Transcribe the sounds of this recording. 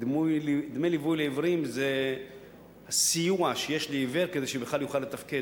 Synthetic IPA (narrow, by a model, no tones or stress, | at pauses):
dmujld̪mejlivujleivʁimze | hasijuaʃejeʃliːveʁkezeʃebeχlaljuχalːet̪afke